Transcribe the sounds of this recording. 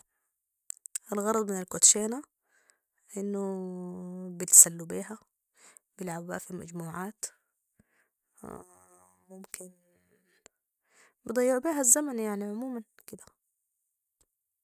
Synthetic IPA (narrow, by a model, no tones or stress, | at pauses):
ʔalɣɑɾˤɑd̪ˤmɪnalkot̪ʃeːna | ʔɪnːʊ | bɪt̪salːubiːɦa | bɪlʕabba̰ʔfima̰d͡ʒmuːʕaːt̪ | mʊmkɪn | bɨd̪ˤɑjːɪʕbiːɦazːamanjaʕniʕʊmuːmankɪd̪a